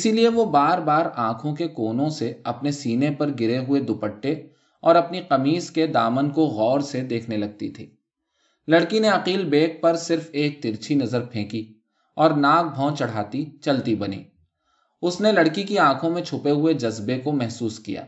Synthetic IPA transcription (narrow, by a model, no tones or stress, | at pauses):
ɪsilieʋobaːɾbaːɾãːkʰõkekoːnõseɐpnesiːnepɐɾɡɪɾeɦʊed̪ʊpəʈːe | ɔːɾɐpniqɐmiːzked̪aːmənkoɣɔːɾsed̪eːkʰnelɐɡ̚t̪it̪ʰḭː | lɐɽkineɐqiːlbeːk̚pɐɾsɪɾfeːk̚t̪ɪɾt͡ʃʰinɐzəɾpʰẽːki | ɔːɾnaːk̚bʱɔ̃ːt͡ʃɐɽ̤aːt̪it͡ʃɐlt̪ibɐnḭː | ʊsnelɐɽkikiãːkʰõmẽt͡ʃʰʊpeɦʊed͡ʒɐzbekomɛɦsuːskija̰ː